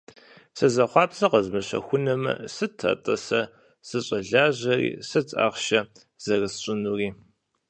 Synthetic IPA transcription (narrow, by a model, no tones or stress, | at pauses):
sɐzɐχʷɑːpsɐqəzmɨɕɐ̰xʷʊnɐmɐ̰sɨtʰɐ̰tʼɐsɐ | sɨɕʼɐɮaːʑɐrḭːsɨt͡sʼa̰ːʁʃɐ | z̥ɐrɨsɕʼɪnuːriː